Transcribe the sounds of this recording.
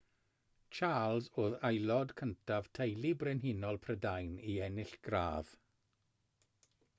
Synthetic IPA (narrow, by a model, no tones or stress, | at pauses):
t͡ʃʰaːlˠzoːðajlˠɔdkʰəntʰav̥tʰejlˠibrɛnɦɪnɔlˠpʰrədajniɛnɪɬɡ̥ra̰ːð̥